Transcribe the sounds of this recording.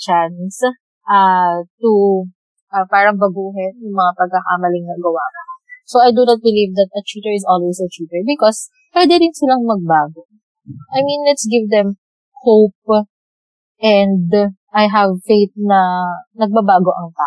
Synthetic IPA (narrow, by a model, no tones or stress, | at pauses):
t͡ʃans | ʔat̪u | ʔɐpaːɾɐŋbɐɡuːɦɛnjʊŋmɐŋapɐɡ̚kɐkamɐlɪŋnɐɡɐwaːkɐsowajd̪unɔt̪̚bɪlivd̪ɐt̪̚ɐt̪ɹit̪ɛɹɪsɔlwesɐt̪ɹiːt̪ɛɹbɪkɔs | pwɛd̪ɛɾɪnsɪlaŋmɐɡ̚baːɡo | ʔajmĩnlɛt̪sɡɪvd̪ɛm | hop̚ | ʔɛnd̪ʔajɦɐvfejt̪̚nɐnɐɡ̚babaːɡo̞ʔɐŋt̪aːʔ